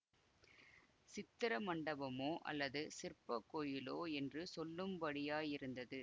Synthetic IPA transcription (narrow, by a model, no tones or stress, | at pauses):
sɪt̪ːɪɾɐmɐɳɖɐbɐmoːʔɐ̰lːɐðɯsɪrpɐkːoːjɪloːɛndrɯsɔlːɯmbɐɽɪjaːjɪɾɯnd̪ɐðɯ